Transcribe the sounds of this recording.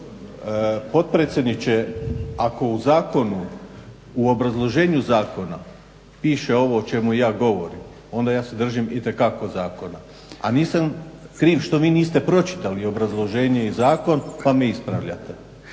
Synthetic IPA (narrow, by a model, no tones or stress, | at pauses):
po̞t̪̚pɾeːt̪sʲjed̪nit͡ɕeako̞uzaːko̞nu | uo̞bɾazlˠo̞ʒe̞ːɲuzaːko̞na | piːʃe̞o̞ʋo̞ːt͡ʃe̞mujaːɡo̞ʋo̞ɾim | o̞nd̪ajaːsed̪r̩ʒimit̪e̞kako̞zaːko̞na | a̰niːsamkɾiːʋʃt̪o̞ʋiːniːst̪e̞pɾo̞t͡ʃi̥t̪alio̞bɾazlˠo̞ʒe̞ːɲeizaːko̞npameispɾa̰ʋʎa̰t̪e